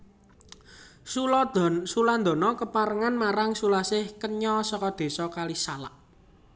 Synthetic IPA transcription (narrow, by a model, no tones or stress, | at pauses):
susuland̪ɔ̤nɔkəpaɾəŋanmaɾaŋsulasɪhkəɲɔsɔkɔd̪̥e̤sɔkalisalaʔ